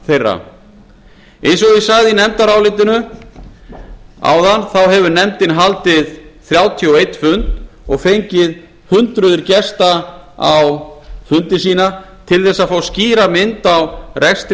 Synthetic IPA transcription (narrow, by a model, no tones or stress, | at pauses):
θejrːa̰ | ejnsɔɣðɪsaɣðɪinɛmt̪aɾawlɪt̪ɪnʏ | a̰ːwðanθawɦɛvʏnɛmt̪ɪnɦalt̪ɪðθɾjaːwt̪ʰiɔejt̪fʏnt̪ɔɣfejɲcɪð | hʏnt̪ɾʏðʏɾcɛst̪aawfʏnt̪ɪs̬iːna | t̪ʰɪlθɛsːaðfaːwsciːɾamɪnt̪awrʔɛst̪